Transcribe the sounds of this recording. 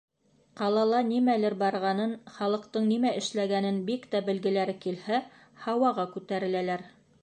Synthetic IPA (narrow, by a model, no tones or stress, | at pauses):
qɑlˠɑlˠɑnimælɘɾbɑɾʁɑnɤnχɑlˠɤ̆qt̪ɤɴnimæʔɘ̆ʃlæɡænɘnbikt̪æbɘ̆lɡɘ̆læɾɘkilhæ | hɑwɑʁɑkʉt̪æɾɘ̆lælæɾ